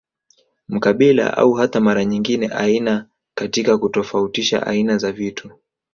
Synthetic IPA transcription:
m̩kaɓila̰ʔa̰uhatamaɾaɲiŋɡinɛʔaina | katikakutɔfautiʃa̰ʔa̰inazavitʰu

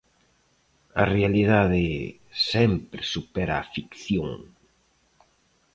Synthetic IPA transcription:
ɐ̰realiðaðe | sɛmpɾesupɛɾaːfikθjoŋ

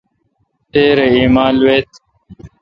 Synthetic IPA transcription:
t̪eːɾeiːmaːlweːt̪

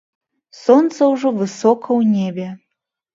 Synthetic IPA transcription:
sont̪səuʒovɨsokəwnʲebʲe

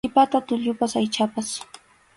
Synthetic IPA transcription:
ɪpat̪at̪ʊʎʊpasajt͡ʃapas

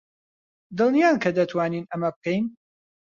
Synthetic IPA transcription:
d̪ɨlˠnijaːnkʰɐd̪ɐt̪ʰwaːniːnɐmɐbɨkʰɛjn

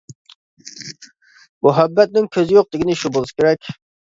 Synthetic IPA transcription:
mʊɦæbːɛt̪̚nɪŋkʲʰøzɪjoq̚d̪ɪɡʲinɪʃubolˠɨsɨ̥kʲeɾɛkʲ

